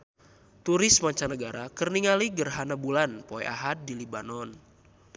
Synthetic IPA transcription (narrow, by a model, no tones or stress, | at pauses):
t̪uɾɪsmaɲt͡ʃanəɡaɾakərniŋaliɡərɦanabulanpɔɛ̰ʔa̰ɦat̪̚dilibanɔn